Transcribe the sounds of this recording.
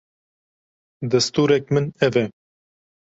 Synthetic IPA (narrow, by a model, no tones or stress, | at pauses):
d̪ɐst̪uːɾɛkmɨnɛvɛ